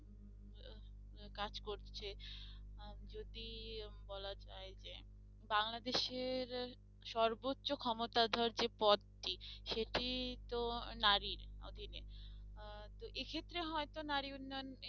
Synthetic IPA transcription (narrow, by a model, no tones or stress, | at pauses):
kad͡ʑkoɾt͡ɕʰe | d͡ʑod̪ibɔlad͡ʑaed͡ʑe | baŋlad̪eʃeɾ | ʃɔɾbotːɕokʰɔmot̪ad̪ʱɔɾd͡ʑepɔd̪̚ʈiʃeʈit̪onaɾiɾo̰d̪ʱine | t̪oʔekʰet̪ːɾeɦɔet̪onaɾiunːɔjon